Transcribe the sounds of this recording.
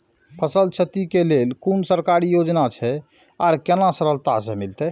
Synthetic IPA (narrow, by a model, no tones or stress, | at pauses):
pʰəsəlt͡ʃʰət̪ikelelkunsəɾkaɾijod͡ʒnat͡ʃʰɛ | aɾkenasəɾəlt̪asemilt̪ɛ